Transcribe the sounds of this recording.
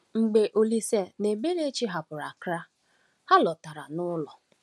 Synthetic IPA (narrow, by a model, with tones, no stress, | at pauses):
ŋ͡m̩˨ɡ͡be˨ʔo˨li˦se˨ne˨be˦ɾe˦t͡ʃi˦ɦa˨pʊ˨ɾa˨kɾa˦ | ha˦lɔ˨ta˨ɾa˨nʊ˦lɔ˨